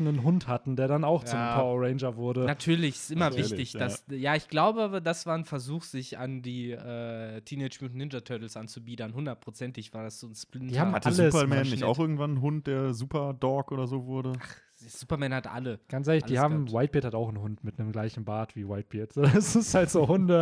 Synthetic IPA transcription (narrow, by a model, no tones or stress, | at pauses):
nənɦʊnthatn̩deːɐdanaʊxt͡sʊmpʰɔɐɔʁeɪnd͡ʒɐvʊɐɾənatʰyːɐlɪçʔɪmɐvɪçtɪçd̥asjaːɪçɡ̥laʊbədasv̥aːɐnfɛɐzuːxz̥ɪça̰ndiːʔɛːtʰiːnɛɪd͡ʒmutn̩ɪnd͡ʒɐtʰœɐtl̩sʔant͡subiːdɐnhʊndɐt̚pʁ̥ot͡sɛntɪçv̥aːɐdasz̥oːnsplɪndːhaːmaləpɐmɛːnɪa̰ʊxʔɪɐɡŋ̩tvannɦʊnt̚d̥eːɐzuːpɐdɔɐkʔoːdɐzoːvʊɐdəaχ | d̥ezuːpɐmɛːnhatʔa̰ləɡ̥ant͡sʔeːɐlɪçd̥iːhaːm̩waɪt̚b̥iɐthataʊxn̩hʊntmɪtnəmɡlaɪçn̩baːtv̥iːwaɪt̚b̥iːɐtz̥oːɛsɪsthaltz̥oːɦʊndə